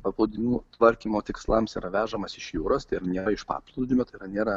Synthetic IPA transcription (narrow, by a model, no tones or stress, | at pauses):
pɐploʊd̪ʲɪnʲuːt̪ʋɐɾʲkʲiːmoːt̪ʲɪkslˠɑmsḭːɾɐʋʲæːʒɐmɐsɪʃjuːɾoːst̪ɐɪɾnʲeːɾɐɪʃpɑ̰ːplˠɐʊd̪ʲɪmʲoːt̪ɐɪiːɾɐnʲeːɾɐ